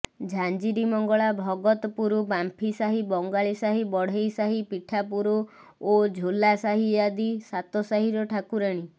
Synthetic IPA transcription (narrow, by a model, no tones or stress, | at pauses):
d͡ʒʱand͡ʒiɾimɔŋɡɔɭabʱɔɡɔt̪ɔpuɾubampʰisaɦibɔŋɡaɭisaɦibɔɽ̤ejsaɦipiʈʰapuɾu | od͡ʒʱolasaɦijad̪isat̪ɔsaɦiɾɔʈʰakuɾaɽ̃i